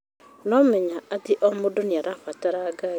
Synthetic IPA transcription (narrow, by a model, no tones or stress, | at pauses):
nɔmɛɲaatiʔomodoniaɾafataɾaɡa